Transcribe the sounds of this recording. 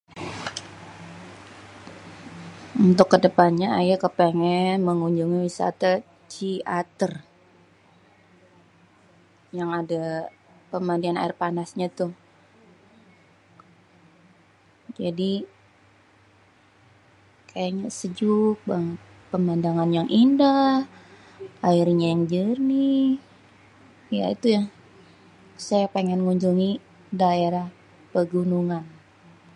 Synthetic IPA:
unt̪ʊkːədəpanɲaa̰jakəpeŋɛnməŋuɲd͡ʒuŋiwisa̰t̪a | t͡ʃiat̪ər | jaŋada | pəmandiana̰ɪrpanasɲat̪ʊ | d͡ʒadi | kʰajaʔɲasəd͡ʒʊk̚baŋət̪̚ | pəmandaŋanjaŋʔindah | ʔaiɾɲajaŋd͡ʒərni | ja̰ḭt̪ujaŋ | sajapeŋɛnŋuɲd͡ʒuŋi | daeɾah | pəɡunuŋan

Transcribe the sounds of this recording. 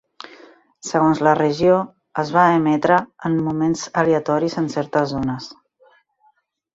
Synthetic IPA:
səɣonzlərəʒio | əzβaəmɛt̪ɾəːnmumenzəleət̪ɔɾizənsɛɾt̪əzːonəs

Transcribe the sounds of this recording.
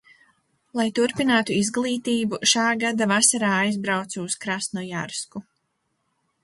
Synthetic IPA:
lˠajt̪uɾpinaːt̪uizɡlˠiːt̪iːbuʃaːɡad̪avasaɾaːajzbɾawt̪suːskɾast̪nɔjaɾsku

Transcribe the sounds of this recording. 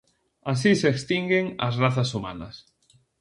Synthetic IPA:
as̬iseekst̪iŋɡeŋa̰zraθasuma̰na̰s

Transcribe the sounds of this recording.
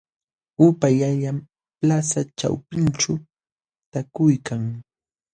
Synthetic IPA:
ʊpajaʎam | plasat͡ʃa̰wpɪnt͡ʃa | t̪akʊjkaŋ

